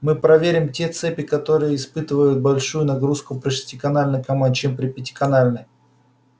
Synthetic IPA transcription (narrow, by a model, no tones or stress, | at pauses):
mɨpɾɐvʲeɾʲɪmtʲe̞t̪sɛpʲɪkɐt̪o̞ɾɨjəɪspɨt̪ɨvəjʊt̪̚bɐlʲʂujʊnɐɡɾuskʊpɾʲɪʂʲɪ̥tʲɪkɐnalʲnɨjkɐmant͡ɕempɾʲɪpʲɪtʲɪ̥kɐnalʲnɨj